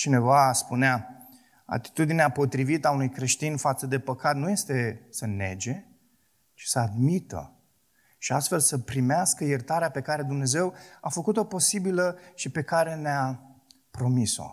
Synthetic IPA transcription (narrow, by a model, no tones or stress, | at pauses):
t͡ʃine̞vaspunea | a̰t̪i̥t̪ud̪ineapo̞t̪ɾivit̪əaunujkɾe̞ʃt̪infat̪səd̪e̞pəkat̪nuje̞st̪e̞səne̞̰d͡ʒe̞ | t͡ʃi̥səad̪mit̪ə̰ | ʃiast̪fe̞lsəpɾimeaskəjert̪aɾeape̞kaɾe̞d̪umne̞ze̞wafəkut̪o̞po̞sibiləʃipe̞kaɾe̞nea | pɾo̞miso̞̰